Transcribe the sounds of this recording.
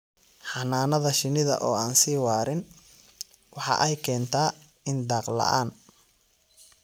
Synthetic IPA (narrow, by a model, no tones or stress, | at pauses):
ħɑnaːnɐðɐʃɪnɪðɐ̰ʔɔːaːnsiːwaːɾɪn | wɑħɑ̰ʔɛjkʰɛːnt̪ʰaː | ɪnd̪ɑːqlɐ̰ʔa̰ːn